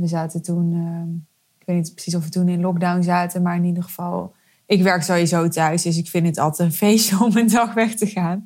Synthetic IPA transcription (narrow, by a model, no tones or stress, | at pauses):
ʋəzaːtətunə | ɪkʋejtnitprə̥sis̬ɔfʋətunɪnlɔɡ̚dawnzaːtənmaːɹɪnidəχəv̥ɑlˠ | ʔɪkʋɛɹksoizowtœɥsdɵs̬ɪkfɪntətɑ̰lˠtɛnfejstəɔməndɑxʋɛxtəχaːn